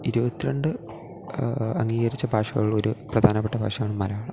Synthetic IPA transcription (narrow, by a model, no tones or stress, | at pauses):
iɾubɐt̪ːiɾeɳɖɨ | ɐŋːiːɣɐɾit͡ɕːɐbʱaːʂɐɣɐ̰ɭɭo̞ɾuprɐd̪ʱaːnɐp̬ːeʈːɐbʱa̰ːʂɐjaːɳɨmɐlɐaːɳɨ